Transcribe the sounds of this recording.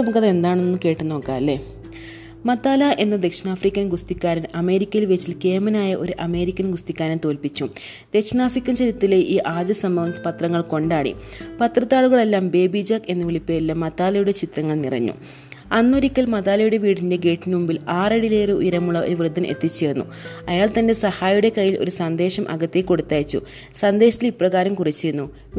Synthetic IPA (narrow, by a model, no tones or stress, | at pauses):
omukːɐðe̞nd̪aːɳnnːɨke̞ːʈːunːo̞ːkːaːɐlːe | mɐt̪ːaːlɐʔe̞nːɐd̪e̞kʂɐnaːfrikʲːɐnɡust̪ikʲːaːɾɐnɐme̞ːɾikʲːɐjilʋe̞t͡ɕːilke̞ːmɐnaːjɐʔo̞ɾuʔɐme̞ːɾikʲːɐnɡust̪ikʲːaːɾɐnt̪o̞ːlpit͡ɕːu | d̪̥e̞kʂɐnaːfrikʲːɐnt͡ɕɐɾit̪ːileʔiːʔaːd̪jɐsɐmbɐʋɐmpɐt̪rɐŋːɐɭko̞ɳɖaːɽḭpɐt̪rɐt̪ːaːɭuɣɐɭe̞lːaːmbe̞ːbid͡ʑaːke̞nːɨʋiɭipːejɐlːɐmːɐðaːlɐjuɽe̞t͡ɕit̪rɐŋːɐɭnirɐ̰ɲːṵ | ɐnːoɾikʲːɐlmɐðaːlɐjuɽe̞ʋiːɽinde̞ɡe̞ːʈːinumbilaːreɽileːɾeṵjɐɾɐmuɭːɐo̰ɾuʋrɨd̪ʱːɐnʔe̞̰t̪ːit͡ɕːeːɾunːṵ | ɐjaːɭt̪ɐnde̞sɐhaːjuɽe̞kɐjːilo̞̰ɾusɐnd̪e̞ːɕɐmʔɐ̰ɣɐt̪ːekːo̞ɽut̪ːaːjt͡ɕːṵ | sɐnd̪e̞ːʂɐt̪ːilipːrɐɣaːɾɐmkurit͡ɕːejɾunːu